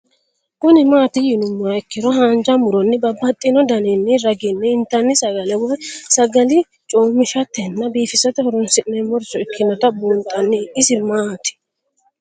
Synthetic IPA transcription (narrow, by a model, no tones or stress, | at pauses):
kʊnɪmaːt̪ɪjɪnʊmːaɛkːɪɾɔɦaːnd͡ʒɐmʊɾɔnːɪbɐbːɐt̪ʼːɪnɔd̪ɐnɛnːɪɾɐɡɪnːɛɪnt̪ːɐnːɪsɐɡɐlɛwɔjsɐɡɐlɪ | t͡ʃʼoːmːɪʃɐt̪ːɛnːɐbiːfɪsɐt̪ɛhɔɾɔnsɪʔnɛmɔɾsɔɪkʰːɪnɔt̪ɐbuːnt̪ʼːɐnːɪɪsɪmaːt̪ɪ̥